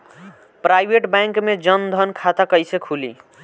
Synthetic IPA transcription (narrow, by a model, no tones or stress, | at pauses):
pɾajbʱeʈbãŋkmed͡ʒənd̪ʱənkʰat̪akəjsekʰulḭ